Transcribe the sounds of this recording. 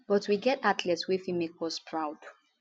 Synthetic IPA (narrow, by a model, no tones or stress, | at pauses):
b̥ɔtʰwiɡɛtatʰlɛtswɛfimek̚wɔspʰɹaʊd̥